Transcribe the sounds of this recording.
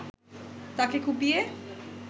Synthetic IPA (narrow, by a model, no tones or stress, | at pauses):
t̪akekʰubbie